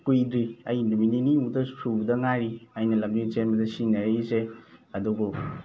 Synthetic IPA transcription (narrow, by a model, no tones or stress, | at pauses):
kujdɾiɐjnumininimudɐsubdɐŋaɾiɐjnɐlɐmnit͡ʃenbɐdɐsinɐɾiseɐduɡu